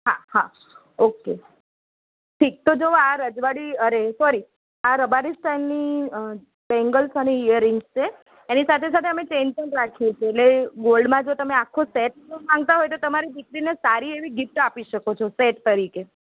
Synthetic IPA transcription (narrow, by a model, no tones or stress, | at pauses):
ɦaha | oke | ʈʰik̚t̪od͡ʒoaɾəd͡ʒʋaɽiəɾesɔɾi | aɾəbaɾisʈajlni | bɛ̃ŋɡəlsəneijəɾɪŋɡst͡ʃʰeː | nisat̪ʰes̬at̪ʰeəmet͡ʃent͡ʃənʈɾakʰit͡ʃʰeːʈleɡolɖmãd͡ʒot̪əmeakʰːoseʈ̚mãŋɡ̚t̪aɦɔjt̪ot̪əmaɾid̪ikɾinesaɾieʋiɡɪfʈapiʃəkot͡ʃʰɔseʈt̪əɾike